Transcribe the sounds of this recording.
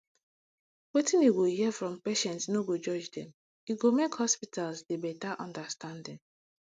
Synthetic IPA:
wetĩniɡohifɹɔ̃mpeʃɛ̃ntsnoɡod͡ʒɔd͡ʒdɛ̃m | iɡomekhɔspitalsdebɛtaʔɔ̃ndastãndɛ̃n

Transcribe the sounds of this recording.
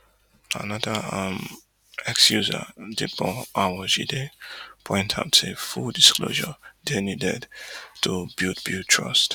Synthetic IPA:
a̰nʌdəʌ̃m | ɛkskjuzə̰dibɔ̃ʔawəʒḭdepʰɔ̃ɪ̃ntʰa̰ʊtefuldiskʰlo̰ʒə̰dɛnjudɛdtʰubilt̚bjutʰɹʌ̰st

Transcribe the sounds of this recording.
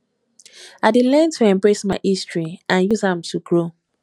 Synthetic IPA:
adelɛ̃ntʰuɛ̃mbɹesmaɪʔistɹiãnjuzãmtʰuɡɹo

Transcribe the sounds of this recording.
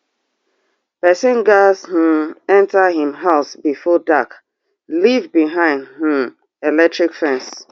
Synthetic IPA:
pɛsɪ̃nɡash̩ɛ̃ntaɦĩmɦalsbifɔdak | livbiɦãɪ̃ndhĩm | elɛk̚tɹikfɛ̃ns

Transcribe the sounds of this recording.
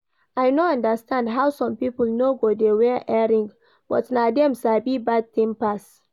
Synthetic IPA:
ajnoãndəstãndɦawsɔ̃mpipəlnoɡodewɛʔɛɹĩŋɡ | b̥ɔtnadɛ̃msabibad̚t̪ĩmpas

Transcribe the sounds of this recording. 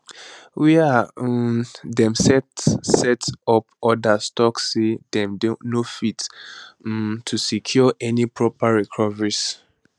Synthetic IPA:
wia | dɛ̃msɛtsɛtɔpɔdastɔksːedɛ̃mdõnofit̩ | tʰusikʰjɔʔɛnipʰɹɔpaɹɛkʰɔvəɹis

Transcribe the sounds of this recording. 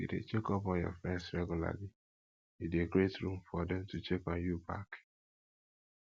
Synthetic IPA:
bḭdḛt͡ʃekɔpɔ̃jɔ̰fɛ̃nsɹɛɡjula̰li | ideɡɾetɹũmfɔdɛ̃mtut͡ʃekɔ̃njuba̰k

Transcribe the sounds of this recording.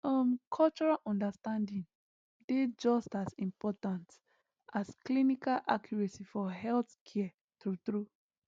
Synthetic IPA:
ɔmkʰɔlt͡ʃɔɹalʔɔ̃ndastãndĩn | ded͡ʒɔstasĩmpɔtãnt | asklinikalʔakʰjɔɹɛsifɔɦɛlθkʰɛ | tut̪ɹu

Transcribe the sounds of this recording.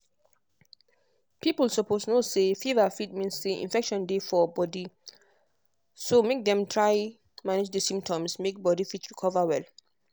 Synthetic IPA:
pʰiplsɔposnosefivafitmĩnsseʔḭ̃nfɛkʃɔ̃ndefɔbɔdi | somek̚dɛ̃mtʰɹaɪ | manɪd͡ʒdəsĩmp̚tʰɔ̃msmek̚bɔdifitɹikʰɔvawɛl

